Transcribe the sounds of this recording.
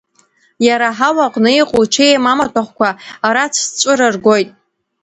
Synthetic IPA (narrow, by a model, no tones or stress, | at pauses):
jaɾaħawaqʼnɨiqʼoʈ͡ʂʰejamamatʷʰaχʷkʷʰaːɾat͡sʰst͡ʃʷʼɨɾɨrɡʷo̞jtʼ